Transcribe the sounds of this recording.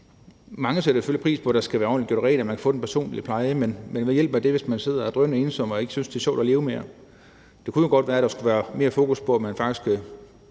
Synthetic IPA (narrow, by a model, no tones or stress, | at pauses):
mɑ̈ŋəseɾ̥ɐsi̥fø̰lipʰʁḭːspʰɒ̽æd̥ɑsɡ̥æʋæːɐɒ̰ːnliɡ̥jo̰ʁɛ̰ɪːlæmænkʰæ̥fɔ̽ːdenpʰæɐso̝̰ːnlḭpʰlɑ̈ɪəmenmenʋejel̰b̥æd̥e̝ʋe̝smænse̝ð̞̰ˠɐæd̥ʁœmnəe̝nsɒ̽m̰ɒe̝ɡ̥əsynsd̥e̝ɐɕɒ̰ʊd̥ɒle̝ːʊme̝ːɐ | d̥e̝kʰujoɡ̥ɒ̽d̥ʋæːɐædɾɑ̈sɡ̥uʋæːɐme̝ːɐfo̝ːkuspʰɒ̽æmænfɑ̈ɡ̥d̥isɡ̥